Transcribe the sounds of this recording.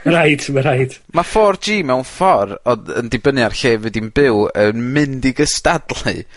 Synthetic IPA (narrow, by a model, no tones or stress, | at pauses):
ɾajdməɾajd | mafɔrd͡ʒiːmɛwnfɔɾɔdə̰ndɪbənjarɬeːvɨdinbɪwənmɨndiɡəstadlˠɨ̰